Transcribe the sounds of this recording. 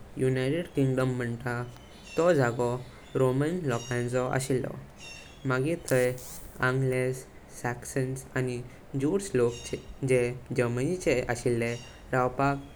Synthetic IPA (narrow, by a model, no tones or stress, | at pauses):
junajʈeɽkiŋɡɖəmːəɳt̪a | t̪ɔd͡zʱaɡɔ | ɾomənlɔkãnt͡sɔʔa̰ɕilːɔ̰ | maɡit̪ʰəjãŋɡlesː | aksənsani | d͡ʑuɾslokt͡ɕed͡ʑed͡ʑəɾmənit͡ɕeʔəɕilːẽ | ɾawpak